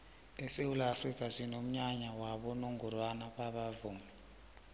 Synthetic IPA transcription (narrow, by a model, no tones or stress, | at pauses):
ɛsewulaːfrikʼasinom̩ɲaɲawaɓɔnoŋɡurwanaɓaɓavuːmi